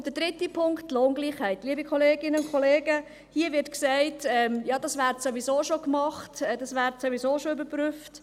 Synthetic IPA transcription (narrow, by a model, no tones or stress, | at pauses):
d̥əd̥ɾɪtipʰʊŋktːloːnɡliːχhɛɪtliːəbikχɔleːɡɪnəʊnkχɔleːɡə | hiəʋɪɾtksæɪtɛmjɑːd̥ɑsʋæːɾtsoʋizoːʃokmɑχtɛd̥ɑsʋæːɾtsoʋizoːʃoybəɾpryft